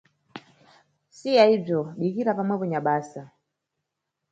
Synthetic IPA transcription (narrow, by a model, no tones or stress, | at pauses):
sijaib͡ʐjɔɓikiɾapamaβɔɲaɓaːsa